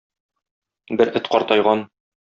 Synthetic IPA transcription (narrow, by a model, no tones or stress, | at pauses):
bɘɾʔɘ̆t̪qɒɾt̪ɑjʁɑn